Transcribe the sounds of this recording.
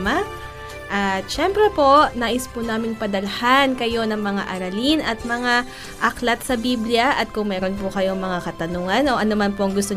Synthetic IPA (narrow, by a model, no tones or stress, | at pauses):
mɐ | ʔɐt̪ʃɛmpɾɛpo̞ʔnaːʔɪspʊnaːmɪŋpɐd̪ɐlɐhankɐjo̞nɐŋmɐŋa̰ʔɐɾɐlinɐt̪̚mɐŋa | ʔɐklɐt̪sɐbiblɪjɐʔɐt̪̚kʊŋmɛːɾo̞npʊkɐjo̞ŋmɐŋakɐt̪ɐnuːŋɐnʔo̞ʔɐnomɐnpoʔɐŋɡʊst̪o